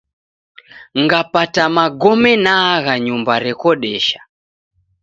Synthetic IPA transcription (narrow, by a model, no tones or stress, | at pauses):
ŋɡapatamaɡɔmɛnaɣaɲumbaɾɛkɔɗɛʃḁ